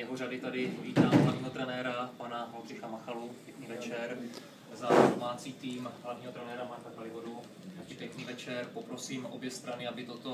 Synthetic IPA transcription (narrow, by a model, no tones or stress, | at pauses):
jɛɦoradɪt̪adɪviːt̪aːmɦlavɲiːɦo̞t̪ɾɛnɛːɾapanaɦolr̝ɪxamaxalupjɛkɲiːvɛt͡ʃɛɾ | zado̞maːt͡siːt̪iːmɦlavɲiːɦot̪ɾɛnɛːɾamak̪akalɪvodu | ɪpjɛkniːvɛt͡ʃɛɾpopɾo̞siːmʔo̞̰bjɛst̪ɾanɪabɪt̪ot̪o